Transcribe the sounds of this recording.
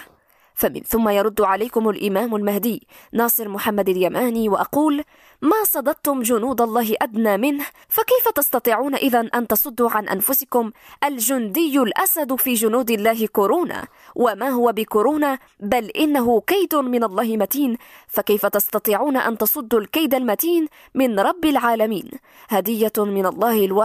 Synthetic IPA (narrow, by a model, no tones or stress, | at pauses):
famɪ̰nθʊmːajɑɾˤʊd̪ːʕalajkʊmalʔɪmaːmalmahd̪ɪː | nɑːsˤɨɾmʊħamːad̪aljamʔaːniːwaʔɑquːl | maːsˤɑd̪ɑd̪̚t̪ʊmd͡ʒʊnuːd̪ɑlˤːɑːɦɪʔad̪naːmɪnh | fakajfat̪ɑst̪ɑt̪ˤiːʕuːnaʔɪðanʔant̪ɑsˤʊd̪ːuːʕanʔa̰nfʊsɪkʊmʔald͡ʒʊnd̪ɪjːʊlʔasad̪fiːd͡ʒʊnuːd̪ɪlːaːɦɪkʊɾoːna̰ː | wʔamaːɦʊwabɪkʊɾoːnaː | balʔɪnːaɦʊkajd̪ʊmɪnɑlˤːɑːhɪmat̪iːnfakajfat̪ɑst̪ɑt̪ˤiːʕuːnaʔa̰nt̪ɑsˤʊd̪ːulkajd̪almat̪iːn | mɪnɾˤɑbːɪlʕaːlamiːn | had̪ɪjːamɪnɑlˤːɑːhɪlwa